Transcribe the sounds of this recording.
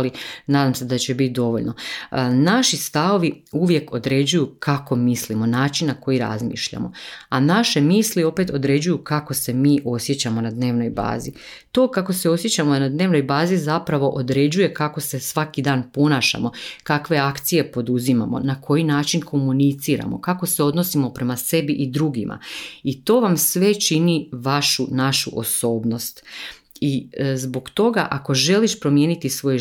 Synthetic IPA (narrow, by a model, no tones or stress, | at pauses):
linaːd̪amse̞d̪at͡ɕe̞bit̪̚d̪o̞ʋo̞ʎno̞naʃist̪aʋo̞ʋiuʋje̞ko̞d̪ɾe̞d͡ʑujukʰako̞mislimo̞naːt͡ʃinːako̞jiɾa̰zmḭːʃʎa̰mo̞̰anaʃe̞miːslio̞pe̞t̪o̞d̪ɾe̞d͡ʑujukako̞se̞miːʔo̞sje̞t͡ɕamo̞nad̪ne̞ːʋno̞jba̰ːzi | t̪o̞ːkako̞se̞o̞sje̞t͡ɕamonad̪ne̞ːʋno̞jbaːzizapɾaʋo̞ʔod̪ɾe̞d͡ʑuje̞kako̞se̞sʋakid̪aːnpo̞naːʃa̰mo̞kakʋe̞akt̪sije̞po̞d̪uzima̰mo̞̰nakʰo̞jinaːt͡ʃinkʰo̞munit̪siːɾa̰mo̞̰kako̞se̞o̞d̪no̞simo̞pɾe̞mase̞biʔid̪ɾuɡimʔa̰it̪o̞ːʋamsʋe̞t͡ʃiniʋaʃunaʃṵʔo̞̰so̞ːbno̞st̪ | izbo̞kt̪o̞ɡaʔako̞ʒe̞liʃpɾo̞mje̞ːnit̪isʋo̞j